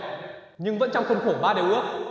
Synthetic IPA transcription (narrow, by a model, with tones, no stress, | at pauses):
ɲɨ˧ŋvə̰˧˥nt͡ɕɔ˧wŋ͡mxə˧nxo˧˩ɓaː˧˩ɗe˨˧wʔɨ˨˦˥ək̚